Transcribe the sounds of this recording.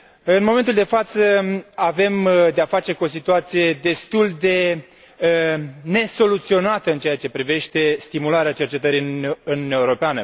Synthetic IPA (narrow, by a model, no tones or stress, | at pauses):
ɨnmo̞ment̪uld̪e̞fat̪səave̞md̪eafat͡ʃe̞kuo̞s̬it̪uat̪sije̞d̪e̞st̪uld̪e̞ | ne̞so̞lut̪sio̞nat̪əɨnt͡ʃeat͡ʃe̞pɾive̞ʃt̪e̞st̪imulaɾeat͡ʃe̞rt͡ʃe̞t̪əɾiɨnunjaeuɾo̞peanə